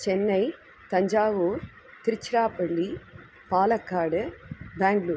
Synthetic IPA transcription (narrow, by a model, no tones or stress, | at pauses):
t͡ʃɛnːɐɪ | t̪ɐɲd͡ʒaːʋoːɾ | t̪ɪɾɪt͡ʃːɪɾaːpɐɭːi | paːlɐkːaːɽɯbaːŋɡɭuːɾ